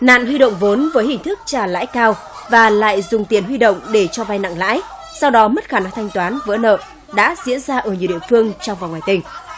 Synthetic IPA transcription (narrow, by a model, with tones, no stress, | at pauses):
na̰ː˧˨nhwi˧ɗə̰˧˨wŋ͡mvo˨˦nvəː˨˦jhï˨˩ŋ̟t̪ʰɨ˦˥k̚t͡ɕaː˧˩la̰ː˧˥jkaː˧w | vaː˨˩la̰ː˧˨jzʊ˨˩ŋ͡mt̪i˨˩ənhwi˧ɗo̰˧˨wŋ͡mɗe˧˩t͡ɕɔ˧va˧jna̰˧˨ŋla̰ː˧˥j | sa˧wɗɔ˨˦mə˦˥t̚xaː˧˩na˧ŋt̪ʰa˧jŋ̟t̪waː˨˦nvə̰˧˥nə̰ː˧˨ | ɗa̰ː˧˥zḭ˧˥ənzaː˧ʔəː˧˩ɲi˨˩əwɗḭ˧˨əfɨ˧əŋt͡ɕɔ˧wŋ͡mva˨˩nŋwaː˨˩jt̪ï˨˩ŋ̟